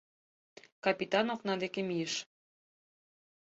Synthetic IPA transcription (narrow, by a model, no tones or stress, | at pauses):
kɑpit̪ɑnoknɑd̪ekemijəʃ